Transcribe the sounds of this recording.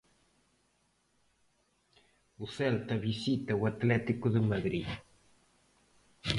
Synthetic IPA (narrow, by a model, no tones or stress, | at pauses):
uselt̪aβisit̪awat̪lɛt̪ikuðəmaðɾi